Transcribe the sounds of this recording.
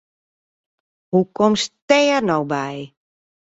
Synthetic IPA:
hukɔmstɛːrnowbɛj

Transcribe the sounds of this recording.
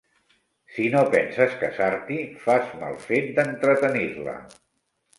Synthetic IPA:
sinopɛnsəskəsaɾt̪ifazma̰lˠfet̪̚d̪ənt̪ɾət̪əniɾlə̰

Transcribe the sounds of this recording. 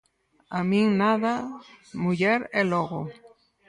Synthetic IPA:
amĩŋnaðamuʎeɾeloɣo

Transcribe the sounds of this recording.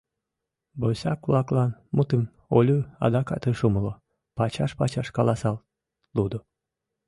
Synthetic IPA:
bosʲɑkβlˠɑklɑnmut̪ɨm | olʲuɑ̰d̪ɑkɑ̰t̪ɨʃuməlo | pɑt͡ɕɑʃpɑt͡ɕɑʃkɑlˠɑsɑl | lud̪o

